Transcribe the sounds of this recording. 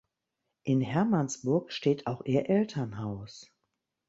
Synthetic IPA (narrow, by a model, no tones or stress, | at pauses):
ʔɪnhɛɐmansb̥ʊɐkʃteːtʰaʊxʔeːɐʔɛltʰɐnɦaʊs